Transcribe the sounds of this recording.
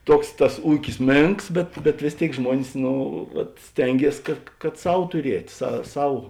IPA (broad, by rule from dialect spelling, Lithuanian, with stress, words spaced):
ˈtuɔks tɐs ˈuːkʲɪs ˈmʲeːŋks ˈbʲɛt bʲɛt ʋʲeːs ˈtʲeːɪk ˈʒmuɔnʲɪs ˈnoː ʋɐt ˈsʲtʲɛŋʲɡʲiɛs kɐt kɐt ˈsɐʊ tʊˈrʲiɛtʲ sɐ ˈsɐʊ